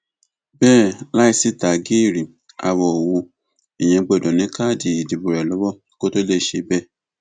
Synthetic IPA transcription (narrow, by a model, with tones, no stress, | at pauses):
bɛː˦˨la˦i˧si˦ta˨ɡi˦i˦˨ɾi˨ | a̰˧wɔ˨wu˧ | e˨j̃ɛ̃˧ɡ͡bɔ˧˨dɔ̃˨nĩ˨˦ka˦˨di˨i˨di˨bu˨ɾɛ˨lɔ˨˦wɔ˦˨˦ko˦to˦le˦˨ʃe˧bɛ˦˨